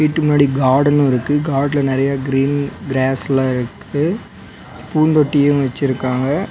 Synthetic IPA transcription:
ʋiːʈːɯmʊnaːɽiɡaːɾɽɐnɯ̃ɪɾɯkːɯɡaːɖlɐnɪɾɐjaːɡɪɾiːnɡɾaːslaɪɾɯkʰː | ɯ | puːnd̪ɔʈːijʊ̃ʋɐt͡ʃːɪɾɯkːaːŋɡɐ

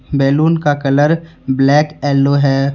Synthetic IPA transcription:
bɛːluːnkakɐləɾ | blɛːkɛːlːoɦɛː

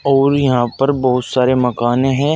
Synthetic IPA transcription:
ɔːɾjɐɦãpɐɾbɐɦʊt̪saːɾemɐkaːnẽɦɛ̃ː

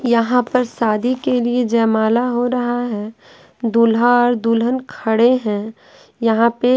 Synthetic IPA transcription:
jɐɦãpɐɾsaːd̪ʱikelied͡ʒɛːmaːlaɦoɾɐɦaɦɛ | d̪ulɦaːɾd̪uːlɦənkʰɐɽeɦɛ̃ | jɐɦãpe

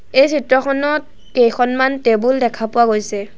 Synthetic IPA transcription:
ejsʰɹitɹɔxʰɔnɔt̚ | kejxʰɔnmantebuldɛkʰapʊwaɡojsɛ

